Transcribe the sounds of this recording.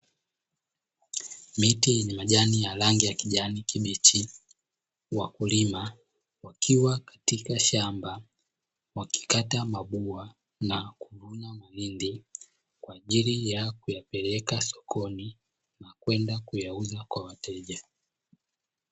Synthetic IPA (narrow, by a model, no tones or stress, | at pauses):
mitijɛɲɛmaʄanijalaŋɡijakiʄanikiɓit͡ʃi | wakulima | wakʰiwakḁtikaʃamba | waki̥katamaɓua | nakuvuɲamalindi | kwaːʄilijakujapɛlɛkasɔ̥kʰɔni | nakwɛndakujauzakwawatʰɛʄa